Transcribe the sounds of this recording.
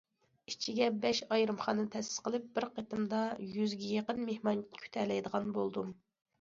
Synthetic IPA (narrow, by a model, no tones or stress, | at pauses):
it͡ʃʰiɡʲɛbɛʃɑjɾɨmχɑnɨt̪ʰɛsɪ̥z̥qʰəlˠɨp̚bɪɾqʰet̪ɨmd̪ɑjyzɡʲɛjeqənmehmɑnkʲʰy̥t̪ʰɛlɛjd̪əʁɑnbolˠd̪um